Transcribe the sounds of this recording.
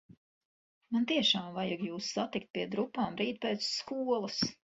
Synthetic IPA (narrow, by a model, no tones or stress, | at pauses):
mant̪iɛʃaːmvajaɡjuːsːat̪ikt̪̚piɛd̪ɾupːaːmɾiːt̪peːt̪sːkuɔlˠɐs